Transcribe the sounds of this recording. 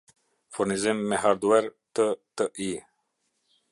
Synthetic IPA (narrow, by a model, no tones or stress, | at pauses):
fuɾnizimːɛɦaɾd̪uɛɾt̪ət̪əʔi